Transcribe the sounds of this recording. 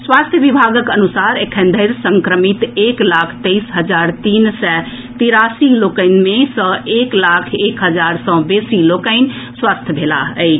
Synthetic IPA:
swast̪ʰjəbibʱaɡəkənusaɾekʰənd̪ʱəɪɾsəŋkɾəmit̪eklakʰt̪əɪsɦəd͡ʒaɾt̪insɛ | t̪iɾasilokəɪnmesə̃eklakʰekɦəd͡ʒaɾsɔ̃besilokəɪnswast̪ʰjbʱela̰əɪ

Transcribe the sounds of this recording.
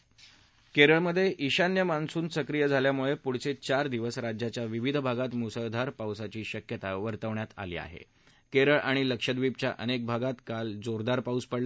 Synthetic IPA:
keɾəɭməd̪ʱːjeʔiɕanjəmansuːnsəkɾijəd͡zʱaljamuɭepuɽ̤t͡set͡ɕaɾd̪iʋəsɾad͡ʑjat͡ɕjaʋiʋid̪ʱbʱaɡat̪musəwd̪ʱaɾpawsat͡ɕiːɕəkjət̪aʋəɾt̪əʋɳjat̪a̰lḭːa̰ɦḛ | keɾəɭʔaɽ̃iləkʂəd̪ʋip̚t͡ɕjaʔənek̚bʱaɡat̪kald͡zoɾd̪aɾpauspəɽlə

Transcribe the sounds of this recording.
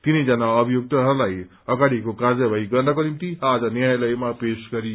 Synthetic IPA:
t̪inʌjd͡zʌnaʌbʱijuk̚t̪ʌɦʌɾulaj | ʌɡaɽikokaɾd͡zʌbʱʌjɡʌrnʌkonimt̪iad͡zʌnjajlʌjmapesɡʌɾi

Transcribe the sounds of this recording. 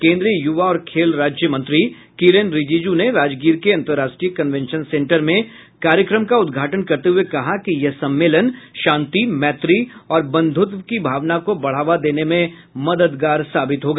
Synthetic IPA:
kẽːnd̪ɾijəjʊʋaɔːɾkʰeːlɾaːd͡ʒjəmɐ̃nt̪ɾi | kiːɾenɾɪd͡ʒiːd͡ʒuneʋaːd͡ʒɡiːɾkeɐ̃nt̪əɾaːʃʈɾijəkɐ̃nʋɛ̃nʃənsẽːɳʈəɾmẽ | kaːɾjəkɾəmkaʊd̪ɡʱaːʈənkɐɾt̪eɦʊekɐɦakijɛɦsɐ̃mːeːlənʃãːnt̪imɛːt̪ɾiɔːɾbɐ̃nd̪ʱʊt̪ʋkibʱaːʋnakobɐɽ̤aːʋad̪eːnemẽ | mɐd̪əd̪ɡaːɾsaːbɪt̪ɦoːɡaː

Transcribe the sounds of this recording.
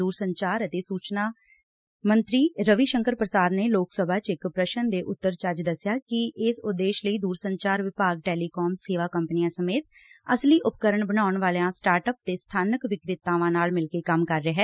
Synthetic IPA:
uːɾsəɲt͡ʃaːɾət̪eːsuːt͡ʃnaː | mənt̪ɾiːɾəʋiːʃəŋkəɾpɾəsaːd̪neːloːksəbʱaːt͡ʃɪkpɾəʃənd̪eːʔʊt̪ːəɾt͡ʃaːd͡ʒd̪əsːjaːkɪʔɪsʊd̪ːeːʃləiːd̪uːɾsəɲt͡ʃaːɾʋɪpaːɡ̚ʈɛːliːkɔːmseːʋaːkəmpnijãːsəmeːt̪əsliːʔʊpkəɾəɳbənaːʊɳʋaːljãːsʈaːɾʈəp̚t̪eːst̪ʰaːnəkʋɪkɾɪt̪ːaːʋãːnaːlmɪlkeːkəmkəɾːeɦɛː

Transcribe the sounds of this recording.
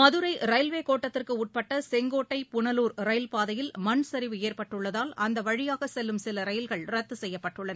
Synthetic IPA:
mɐðɯɾɐɪɾɐjlʋeːkoːʈːɐt̪ːɪrkɯuːʈ̚pɐʈːɐsɛŋɡoːʈːɐɪpʊɳɐluːɾɾɐɪlpaːðɐjɪlmɐɳsɐɾɪʋɯeːrpɐʈːɯɭːɐðaːlɐnd̪ɐʋɐɻɪjaːɣɐsɛlːɯmsɪlɐɾɐjɪlɣɐɭɾɐt̪ːɯsɛjːɐpːɐʈːɯɭːɐnɐ

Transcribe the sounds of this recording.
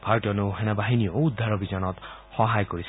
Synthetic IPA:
pʰarʈɔnuɦenabaɦinijoud̪ʱːaɾɔbid͡zɔnɔt̪ | hɔɦajkɔɾisʰ

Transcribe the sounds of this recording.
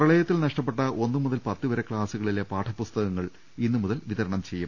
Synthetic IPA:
prɐɭɐjɐt̪ːilnɐʂʈɐp̬ːe̞ʈːɐʔo̞nːɨmuðɐlpɐt̪ːɨʋɐɾekɭaːsuɣɐɭile̞paːʈʰɐpːust̪ɐɣɐŋːɐɭ | inːɨmuðɐlʋiðɐɾɐɳɐmt͡ɕe̞jːum

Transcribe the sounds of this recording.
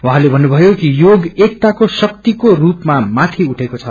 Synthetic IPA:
wãɦãlebʱʌnːubʱʌjokijoɡek̚t̪akosʌk̚t̪ikorupmamat̪ʰiuʈʰekot͡sʰʌ

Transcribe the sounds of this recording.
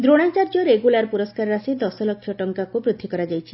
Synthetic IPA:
d̪ɾoɽ̃at͡ʃaɾd͡ʒoɾeɡulaɾpuɾoskaɾɾasid̪ɔsɔlɔkʰːjɔʈɔŋkakubɾud̪ʱːikɔɾad͡ʒajt͡ʃʰi̥

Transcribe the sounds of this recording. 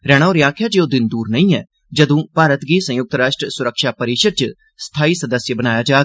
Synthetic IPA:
ɾɛːɽ̃aːɾjãːkʰjaːd͡ʒeːoːd̪ɪnd̪uːɾnəĩːɛ̰ː | d͡ʒəd̪õːpaːɾət̪ɡiːsə̃jʊk̚t̪ɾaːʃʈɾəsʊɾəkʃaːpəɾiːʃəɾ̚t͡ʃ | st̪ʰaːiːsəd̪əsjəbənaːjaːd͡ʒaːɡ

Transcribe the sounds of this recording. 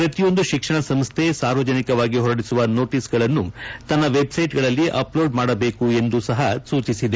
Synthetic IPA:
pɾɐt̪ijo̞nd̪uʃikʂɐɳɐsɐmst̪ʰe̞saːɾʋɐd͡ʒɐnikɐʋaːɡiɦɔɾɐɽisuʋɐno̞ːʈiːsɡɐɭɐnːut̪ɐnːɐʋe̞bsɐjʈɡɐɭɐlːiʔɐ̰plo̞ːɖmaːɽɐbe̞ːkue̞nd̪usɐɦɐsuːt͡ʃisid̪e

